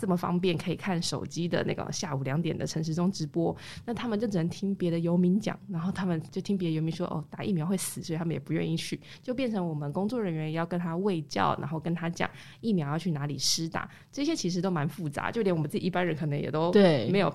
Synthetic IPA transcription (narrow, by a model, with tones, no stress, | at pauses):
t͡sə˥˩mə˨˩fɑ̰˥ŋp̬jɛ˥˩nkʰɤ˧˥ḭ˨˩kʰa˥˩nʂo˨˩ʊt͡ɕi˥d̪ə̰˨nʔa̰˥˩ɡə̰˩ɕja˥˩u˨˩ljɑ˧˥ŋt̪jɛ̰˨˩nd̪ə˦ʈ͡ʂʰə˧˥ŋʂ̬ɻ̩˧˥ʈ͡ʂʊ˥ŋʈ͡ʂɻ̩˧˥pwɔ˦˥ | na˥˩t̪ʰa˥mə˨nt͡ɕjo˥˩ʊʈ͡ʂɻ̩˨˩nə˧˦nt̪ʰi˥ŋpjɛ˧˥ɾə˨jo˧˥ʊmi˧˥nt͡ɕjɑ̰˨˩˦ŋna˧˥nxo˥˩ʊt̪ʰa˥mə˨nt͡ɕjo˥˩ʊt̪ʰi˥ŋp̬jd̪ə˨jo˧˥ʊmi˧˥nʂwɔ˥ʔo̰˥˩t̪a˨˩˦ʔḭ˥˩mjɑ˧˥we˥˩ɪsɹ̩ɨ˨˩swtʰa˥mə˨jɛ˨˩pu˧˦jɥɛ̰˥˧ni˥˧t͡ɕʰy˥˩ | t͡ɕjo˥˧ʊp̬jɛ˥˩nʈ͡ʂʰɤ˧˥ŋwɔ˨˩mə˦nkʊ˥ŋt͡swɔ˥˩ɻə˧˥nɥɛ˧˥njjɑ˥˩ʊkə˥nt̪ʰa˥we˥˧ɪt͡ɕjɑ̰˥˩ʊna̰˧˥nxo˥˩ʊkə˥nt̪ʰa˥t͡ɕjɑ̰˨˩˦ŋ | i˥˩mjʊjʊt͡ɕʰy˥˩na˧˥lḭ˨˩ʂɻ̩˥t̪a̰˨˩˦ | ʈ͡ʂɤ˥˩ɕjɛ˥t͡ɕʰi˧˥ʂ̬ɻ̩˧˥t̪o˥ʊma˧˥nfu˥˩t͡sa̰˧˥t͡ɕjo˥˧ʊt̪jnwɔ˨˩ə˦t͡s̩˥˩i˨˧i˥˩pa˥nɻə˧˦nkʰɤ˨˩nə˧˦ŋjɛ̰˨˩t̪o˥ʊt̪e˥˩me˧˥ɪjo˨˩ʊ